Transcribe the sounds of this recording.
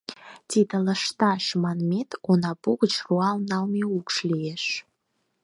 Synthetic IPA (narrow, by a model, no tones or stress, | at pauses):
t̪id̪ə̆ləʃt̪ɑʃmɑnmʲet̪onɑpuɣət͡ɕruɑlˠnɑlmeukʃlijeʃ